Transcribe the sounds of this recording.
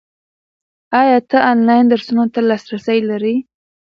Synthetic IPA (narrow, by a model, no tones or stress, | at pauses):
ɑjɑt̪əʔɑnlɑjnd̪əɾsunot̪alɑsɾasəjlaɾi